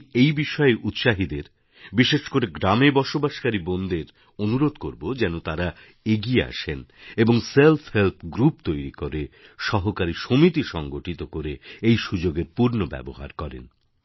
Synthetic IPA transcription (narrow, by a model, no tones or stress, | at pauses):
ejbiʃɔeʔut̪ʃaɦid̪eɾ | biʃeʃkoɾeɡɾamebɔʃobaʃkaɾibond̪eɾ | onuɾod̪koɾbod͡ʑɛnot̪aɾa | eɡiea̰ʃeneboŋselpʰhelt̪ʰɡɾupt̪ojɾikoɾeʃɔɦokaɾiʃomit̪iʃɔŋɡoʈit̪okoɾeejʃud͡ʑoɡeɾpuɾnobɛ̰boɦa̰ɾkɔɾḛn